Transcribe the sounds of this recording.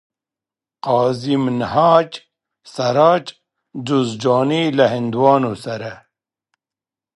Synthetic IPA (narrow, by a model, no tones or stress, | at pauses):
qɑːzimnhaːt͡ʃ | sɐɾaːt͡ʃ | d͡ʒuzd͡ʒoːnilaɦind̪wɑːnosɐɾa